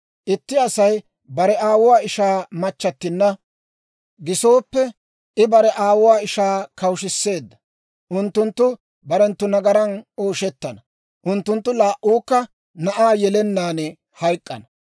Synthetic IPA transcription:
ʔɪt̪ːɪɐsɐj | bɐɾɛaːwʊwaːɪʃaːmɐt͡ʃːɐt̪ːɪnːɐ | ɡɪso̞ːpːɛ | ʔɪbɐɾɛʔaːwʊwaːɪʃaːkɐwʃɪsːe̞ːd̪ːɐ̥ | ʔʊnt̪ːʊnt̪ːʊ | bɐɾɛnt̪ːʊnɐɡɐɾɐnoːʃɛt̪ːɐnɐ | ʔʊnt̪ːʊnt̪ːʊlaːʔuːkːɐ | nɐʔaːjɛlɛnːaːnɛ | hɐjkʼːɐ̰nɐ

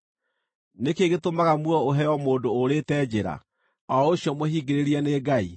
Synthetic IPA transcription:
nekeɣetomaɣamwɔoɦɛjɔmoːdoːɾetɛːd͡ʑeɾa̰ | ɔoɕjɔmohiːɡeɾeɾiɛneɡai

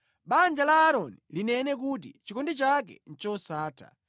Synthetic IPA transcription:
ɓand͡ʒalaːɾɔnilinɛnɛk̬ut̬ḭt͡ʃikɔndɛt͡ʃak̬ɛ̰n̩t͡ʃɔsaːtʰa̰

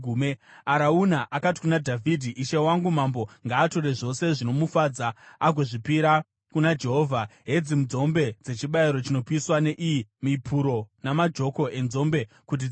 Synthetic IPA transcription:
umeaɾaunaʔakati̥kunadʱavʱidʱiʔiʃewaŋɡumambo̞ŋɡaːto̞ɾe̞ʐo̞se̞ʐino̞mufaːd͡zaaɡʱoʐipiɾa | kunad͡ʒe̞ɦo̞ːvʱaɦe̞d͡zimud͡zo̞mbe̞d͡ze̞t͡ʃiɓaiɾo̞t͡ʃino̞piswaneʔimipʰuɾo̞namad͡ʒo̞ko̞ʔe̞nzo̞mbe̞ | kut̬i

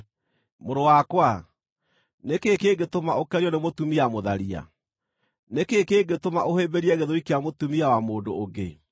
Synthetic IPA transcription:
moɾowakwa | nekekeɡetomaʔokɛɾjɔnemotumiamoðaɾia̰ | nekekeːɡetomaʔohebeɾiɛɣeðoɾikeamotumiawamoːdo̰ːɡḛ

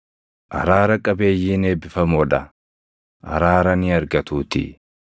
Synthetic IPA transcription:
ʔɐ̰ɾaːɾɐkʼɐbe̞ːjːiːne̞ːbɪfɐmɔᶑɐ | ʔɐ̰ɾaːɾɐnɪɐɾɡɐt̪uːt̪ɪ̰

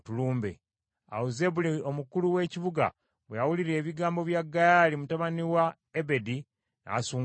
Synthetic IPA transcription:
tuluːmbḛ | a̰woze̞βulio̞mukuluwe̞ːciβuɡa̰ | βwejawuliɾe̞ːβiɡaːmbo̞βjaɡːajaːlimutaβaniwa | ebe̞di | na̰ːsuːŋ

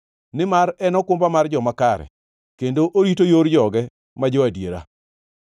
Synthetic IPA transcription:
nɪmaɾɛnɔkʊmbamard͡ʒɔmakaɾɛ̰ | kendoʔoɾitojoɾd͡ʒɔɡɛ | mad͡ʒoadjeɾa̰

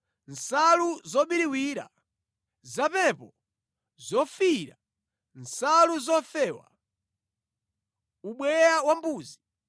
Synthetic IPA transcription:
n̩saluzɔɓiɾiwiːɾa̰ | zapɛpɔ | zɔfiɾa̰ | nsaluzɔfɛːwa̰ | uɓwɛjawambuːzi

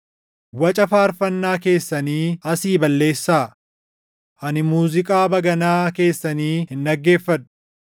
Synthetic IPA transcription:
wɐt͡ʃʼɐfaːɾfɐnːaːke̞ːsːɐniːɐsiːbɐlːe̞ːsːaː | ʔɐnɪmuːzɪkʼaːbɐɡɐnaːke̞ːsːɐniːhɪnᶑɐɡːe̞ːfːɐtʊ̥

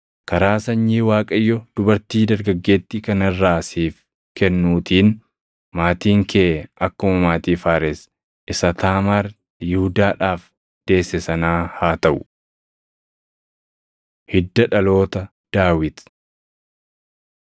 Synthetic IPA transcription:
kɐɾaːsɐɲːiːwaːkʼɐjːɔd̪̥ʊbɐɾt̪iːd̪ɐɾɡɐɡːe̞ːt̪ːɪkɐnɪrːaːsiːf | kɛnːuːt̪iːn | maːt̪iːŋkʰeːɐkːʊmɐmaːt̪iːfaːɾɛs | ʔɪsɐt̪aːmaːɾ | jɪhʊd̪aːᶑaːf | d̪̥e̞ːsːɛsɐnaːhaːt̪ɐʔʊ̥ | hɪd̪ːɐᶑɐlo̞ːt̪ɐ | d̪̥aːwɪt̪

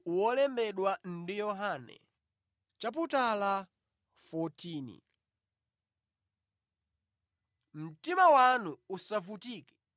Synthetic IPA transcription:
wɔlɛmbɛɗwan̩dijɔɦanɛ̰ | t͡ʃap̬utala | fɔtʰiːnḭ | m̩timawanuːsavutiːkɛ̥

